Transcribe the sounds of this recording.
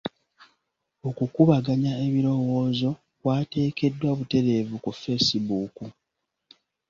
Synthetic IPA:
o̞kukuβaɡaɲaeβiɾo̞wo̞ːzo̞ | kwaːte̞ːke̞dːwaβute̞ɾe̞ːvukufe̞sibuːku

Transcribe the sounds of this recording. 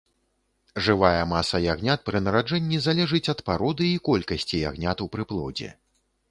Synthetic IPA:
ʐɨvajɐmasɐjaɣnʲat̪̚pɾɨnɐɾad͡ʐɛnʲːizalʲɛʐɨt͡sʲɐt̪paɾɔd̪ɨikɔlʲkɐsʲt͡sʲija̰ɣnʲat̪upɾɨplˠɔ̰d͡zʲɛ̰

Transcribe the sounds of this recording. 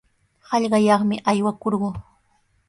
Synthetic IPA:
hɑʎɢɑjɑχmɪʔajwakoɾɢʊː

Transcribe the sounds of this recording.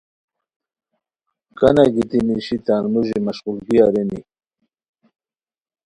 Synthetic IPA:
kanaɡit̪imiʃit̪anmuʒimaʃqʊlɡiaɾeni

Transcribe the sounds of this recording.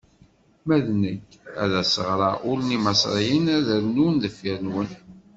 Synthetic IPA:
mæðnəçæ̰ðæsəʁɾɑʔʊlnimɑsˤɾˤijənæðəɾnunðəfːiɾənwən

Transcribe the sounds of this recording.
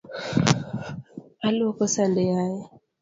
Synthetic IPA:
aluokosandejaje

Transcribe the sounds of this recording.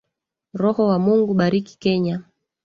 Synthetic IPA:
ɾɔhɔwamuŋɡuɓaɾiki̥kɛɲa

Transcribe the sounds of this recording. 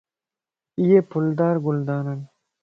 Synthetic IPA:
ijepʰʊld̪ɑːɾɡʊld̪ɑːnan

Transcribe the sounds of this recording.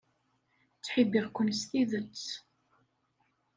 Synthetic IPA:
t͡sːħibiʁkʷːənst̪iðət͡sː

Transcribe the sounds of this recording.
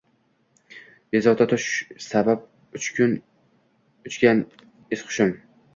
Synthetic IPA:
jezɒʁt̪at̪ʰʊʃsabap̚ | ʊt͡ʃkʰʲʊn | ʊt͡ʃkʲan | ɪsqʰʊ̥ʃɪm

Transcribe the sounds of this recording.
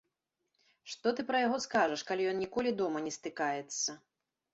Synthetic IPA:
ʂt̪ɔt̪ɨpɾɐjaɣɔskaʐɐʂkalʲijɔnːnʲikɔlʲid̪ɔmɐnʲɛst̪ɨkajɛt̪sːɐ

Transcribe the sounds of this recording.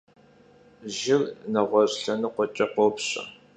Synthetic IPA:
ʒɪrnɐʁʷɔɕɬɐnɨqʷɔt͡ʃʼɐqʷopɕʼɐ̰

